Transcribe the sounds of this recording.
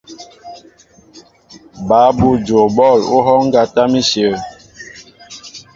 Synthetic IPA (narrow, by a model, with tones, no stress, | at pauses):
ba˨˦bu˦˨d͡ʒo˨bɔ˦˨lu˦ɦɔ˦ŋ̩˦ɡa˦ta˦mi˦sjə˨˦